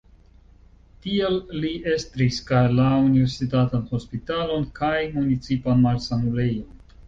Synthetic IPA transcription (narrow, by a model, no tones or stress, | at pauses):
tielːiʔe̞stɾiskalaunive̞ɾsitatanho̞spitalo̞nkajmunit͡sipanmalsanule̞jon